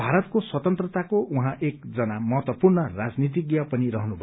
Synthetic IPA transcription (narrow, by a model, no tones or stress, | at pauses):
bʱaɾʌt̪koswʌt̪ʌnt̪rʌt̪akoʔuɦãʔekd͡zʌnamʌɦʌt̪wʌpurnʌrad͡znit̪̬iɡjʌpʌniɾʌɦnubʱʌ